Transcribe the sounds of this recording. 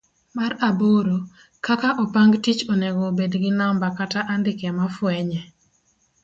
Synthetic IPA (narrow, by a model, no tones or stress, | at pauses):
maɾaboɾo | kakaʔɔpaŋɡtit͡ʃoneɡobedɡɪnambakataʔandɪkɛmafwɛɲɛ